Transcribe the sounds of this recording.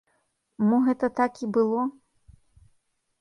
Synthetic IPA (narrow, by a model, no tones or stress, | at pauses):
mɔɣɛt̪ɐt̪akibɨlˠɔ